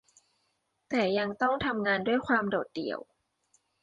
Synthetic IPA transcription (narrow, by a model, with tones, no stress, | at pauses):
t̪ɛː˨˩ja˧ŋt̪ɔ˥˩ŋt̪ʰa˧mŋaː˧ndu˥˩əjkʰwaː˧mdoː˨˩t̪̚dḭ˨˩əw